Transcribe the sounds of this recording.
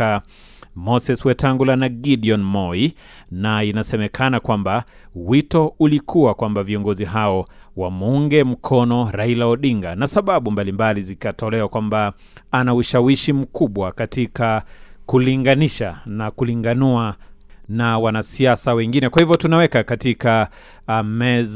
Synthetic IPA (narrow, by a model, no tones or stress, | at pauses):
a | mɔsɛswɛtaŋɡulanaɡiɗiɔnmɔi | nainasɛmɛkʰanakwamba | witɔulikʰuwakwambaviɔŋɡɔziɦaɔ | wamuŋɡɛm̩kʰɔnɔɾailaɔɗiŋɡanasaɓaɓumbalimbalizikatɔlɛwakwamba | anauʃawiʃim̩kʰuɓwakatikakuliŋɡaniʃanakuliŋɡanuanawanasiasawɛŋɡinɛkwahivjɔtunawɛkakatika | mɛ